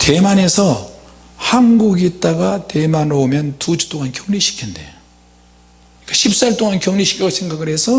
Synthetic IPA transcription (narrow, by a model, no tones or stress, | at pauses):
te̞mane̞sʰʌ | hanɡuɡit̚t͈aɡate̞manomjʌntud͡ʑu̥t͈oŋankjoŋɲiɕʰi̥kʰinde̞̰ | ik͈aɕʰip̚s͈aɭt͈oŋankjoŋɲiɕʰi̥kʰiɡosʰeŋɡaɡɯɾe̞sʰʌ